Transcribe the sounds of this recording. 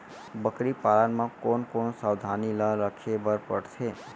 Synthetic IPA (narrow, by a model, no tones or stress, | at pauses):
bəkɾipalənmãkonkonsawd̪ʱaniləɾəkʰebəɾpəɽt͡ʃʰe